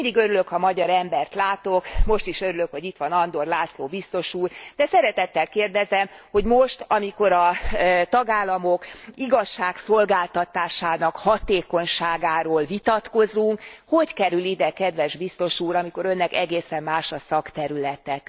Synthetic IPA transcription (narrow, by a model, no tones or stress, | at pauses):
mind̪iɡøɾyløkhɒmɒɟɒɾɛmbɛrt̪laːt̪okmo̞ʃt̪iʃøɾylø̞kho̞ɟit̪ʋɒnɒnd̪o̞rlaːt̪soːbist̪o̞ʃuːrd̪ɛsɛɾɛt̪ɛt̪ːɛlkeːrd̪ɛzɛmho̞ɟmoʃt̪ɒmiko̞ɾɒt̪ɒɡaːlːɒmokiɡɒʃːaːkso̞lɡaːlt̪ɒt̪aːʃaːnɒkhɒt̪eːkoɲʃaːɡaːɾoːlvit̪ɒt̪ko̞zuŋkho̞ckɛɾylid̪ɛkɛd̪ʋɛʒbist̪o̞ʃuːɾɒmiko̞ɾø̞nːɛkɛɡeːsɛmːaːʃɒsɒkt̪ɛɾylɛt̪ɛk